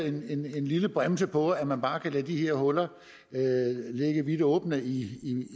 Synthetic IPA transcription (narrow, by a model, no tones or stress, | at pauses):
e̝ne̝ne̝nliləb̥ʁamsəpʰɒ̽æmænb̥ɑ̈ːkʰælæd̥ihe̝ɐ̰ɦɔ̽lɐ | øle̝ɡ̥əʋid̥ɔ̽ːb̥nəi